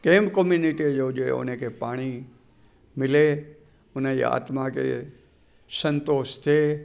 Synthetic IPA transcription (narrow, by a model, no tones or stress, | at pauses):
kẽːmkɔmjuːnɪʈid͡ʒoːʄeʊ̰n̤ẽkʰepaːɽ̃i | mɪle | ʊnəd͡ʑ̰a̰ːt̪makʰḛ | sɐ̃nt̪oːʃt̪ʰeː